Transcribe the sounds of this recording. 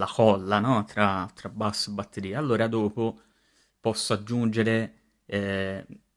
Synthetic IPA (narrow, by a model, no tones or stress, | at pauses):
lakɔlːanɔt̪ɾat̪ɾabːasːebat̪ʰːeɾiːealːoːɾad̪oːpo | pɔsːoad͡ʒːund͡ʒeɾe | ɛ